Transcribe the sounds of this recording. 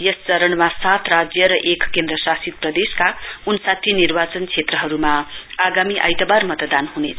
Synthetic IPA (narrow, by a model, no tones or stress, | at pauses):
jʌst͡sʌɾʌnmasat̪ʰrad͡zjʌɾʌʔekkend̪rʌsasid̪̚prʌd̪eskaunsat̪ʰjinirbat͡sʌnt͡sʰet̪rʌɦʌɾumaaɡamiʔa̰jt̪abarmʌt̪d̪anhunet͡sʰ